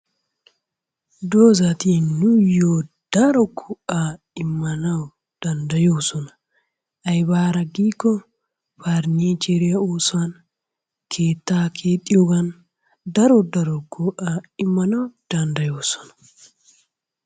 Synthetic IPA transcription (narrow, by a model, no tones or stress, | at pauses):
d̪oːzɐt̪inʊjoː | d̪̥ɐɾɔkʰʊʔa | ɪmːɐnɐw | d̪̥ɐnd̪ɐjoːsɔnɐ | ʔɐjbaːɾɐɡiːkːɔ | faɾniːt͡ʃeɾɪjɐoːsʊwɐn | kʰeːt̪ːaːkʰe̞ːt̪ʼːɪjoɡɐn | d̪ɐɾɔd̪ɐɾɔkʰʊʔaːɪmːɐnɐwd̪̥ɐnd̪ɐjoːsɔ̥nɐ̥